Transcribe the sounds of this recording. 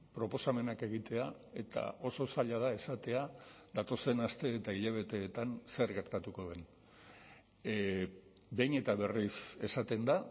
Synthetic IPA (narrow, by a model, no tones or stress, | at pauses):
pɾo̞po̞same̞nake̞ɣ̞it̪e̞a | e̞t̪a̰ʔo̞so̞saʎaðae̞sat̪e̞aðat̪o̞se̞nast̪e̞ːt̪aiʎaβ̞e̞t̪e̞ːt̪anse̞ɾɣe̞ɾt̪at̪uko̞ðe̞n | be̞jne̞t̪aβe̞rise̞sat̪e̞nd̪a